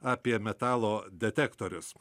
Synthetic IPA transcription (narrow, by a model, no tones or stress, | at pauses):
ɑːpʲiɛmʲɛt̪ɑːlˠoːd̪ʲɛt̪ʲækt̪oɾʲʊs